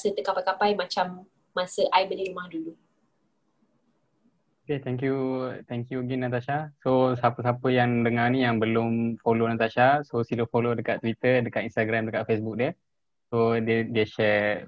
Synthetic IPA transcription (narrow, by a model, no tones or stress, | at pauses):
sət̪əkapajkapajmat͡ʃamː | asəʔajbəliɾumahdulu | oket̪ɛŋkjut̪ɛŋkjuɡinat̪̬aʃasosapəs̬apəjaŋdəŋanijaŋbəlʊmfolonat̪aʃasosiləfolodəkat̪t̪ːwit̪ədəkat̪inst̪aɡɾamdəkaʔ̪̚fesbuk̚diə | sodədiəʃɛ